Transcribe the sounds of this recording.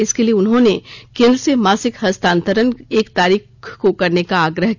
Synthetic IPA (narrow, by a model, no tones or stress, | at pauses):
ɪskelieʊnɦõnekɪlɾsemaːsɪkɦɐst̪ãːnt̪əɾəneːkt̪aːɾiːxkokɐɾnekaaːɡɾəɦ